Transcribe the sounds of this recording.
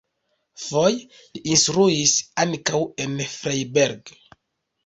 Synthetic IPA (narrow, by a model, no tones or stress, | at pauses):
foj | liinstɾuisaŋkawe̞nfɾajbeɾɡ